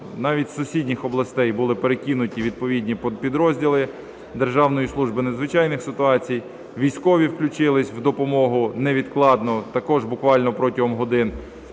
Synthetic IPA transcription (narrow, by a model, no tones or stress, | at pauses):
nɑʋʲitʲsʊsʲidʲnʲixɔblˠɐst̪ɛjbʊlˠɪpeɾekʲinʊtʲiʋʲid̪̚pɔʋʲidʲnʲippʲid̪ɾɔzʲdʲilˠɪ | d̪erʒɑwnɔjislˠuʒbɪnezʋɪt͡ʃɑjnɪxsɪt̪ʊɑt͡sʲij | ʋʲijsʲkɔʋʲiwklʲʊt͡ʃɪlˠɪsʲwd̪ɔpɔmɔɦʊnɛʋʲid̪klˠɑd̪nɔt̪ɐkɔʒbʊkʋɑlʲnɔpɾɔtʲɐɦɔmɦɔd̪ɪn